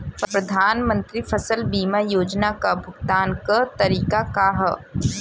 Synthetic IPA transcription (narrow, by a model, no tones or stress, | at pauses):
ppɾɐd̪ʱaːnmə̃nt̪ɾipʰɐsəlbiːmajoːd͡ʒnakabʱʊɡt̪aːnkət̪ɐɾiːkakaɦə